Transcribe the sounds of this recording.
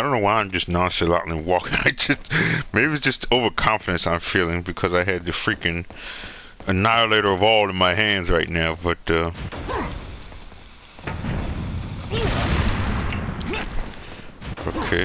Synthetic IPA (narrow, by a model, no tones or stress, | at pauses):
aɪdõʊ̃nːoʊwaɪãɪ̃md͡ʒʌsnɑ̃nsɨlɑ̰ʔn̩liwɔkɪ̃ŋaɪd͡ʒʌstmeɪbi̥d͡ʒʌstʰoʊvə˞kʰɑ̃ɱfɨɾɨ̃nsãɪ̃ɱfilˠɪ̃ŋbɨkʰʌzaɪɨd̪̚ɨfɹikɨ̃n | ɨnaɪəleɪɾə˞ʌvɔlˠə̃nmaɪɦæ̃ndzɹaɪtⁿnaʊbʌt̚ʌ | ʔoʊkʰeɪ